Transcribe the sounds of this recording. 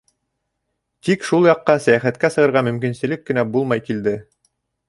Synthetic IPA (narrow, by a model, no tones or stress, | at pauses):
t̪ikʃulˠjɑqːɑsæjæχæt̪̚kæsɤ̆ʁɤ̆ɾʁɑmɵ̆mkinsɘ̆lɘkːɘ̆næbulˠmɑjkild̪ɘ